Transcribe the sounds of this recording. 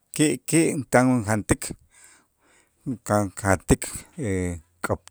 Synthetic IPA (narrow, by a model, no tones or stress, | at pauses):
kiʔkiʔnt̪aŋŋxant̪ikʰ | kakhat̪ikʰe | kʼop̚